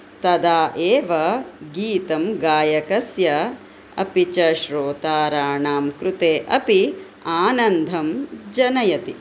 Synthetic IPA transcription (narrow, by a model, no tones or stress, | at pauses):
t̪ɐd̪aːʔeːʋɐɡiːt̪ɐmɡaːjɐkɐsjɐ | ɐ̰pit͡ʃɐʃɾoːt̪aːɾaːɳaːmkɾut̪eːʔɐpi | aːnɐnd̪ʱɐmd͡ʒɐnɐjɐt̪i